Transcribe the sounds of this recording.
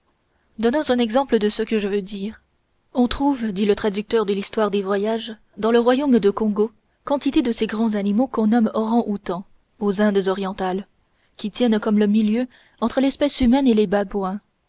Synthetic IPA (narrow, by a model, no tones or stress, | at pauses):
d̪ɔnɔ̃zɛ̃nɛɡzɑ̃pləd̪əsəkəʒəvød̪iːʁ | ɔ̃t̪χuvd̪ilət̪χad̪yk̚t̪œʁd̪əlist̪waʁd̪evwajaʒ | d̪ɑ̃ləʁwajomd̪əkɔ̃ɡo | kɑ̃t̪it̪ed̪əseɡʁɑ̃zanimokɔ̃nɔmɔʁɑ̃ʔut̪ɑ̃ | ozɛ̃d̪zɔʁjɑ̃t̪al | kʲit̪jɛnkɔmləmiljø | ɑ̃t̪χəlɛspɛsymɛnelebabwɛ̃